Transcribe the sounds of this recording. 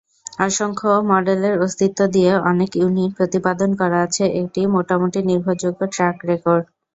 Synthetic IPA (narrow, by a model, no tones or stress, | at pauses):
aʃoŋkʰomɔɖeleɾost̪ʰit̪ːod̪ijeʔɔnekjunin̚pɾot̪ipad̪onkɔɾaat͡ɕʰeʔek̚ʈimoʈamoʈiniɾbʱod͡ʑoɡoʈɾakɾekoɾɖ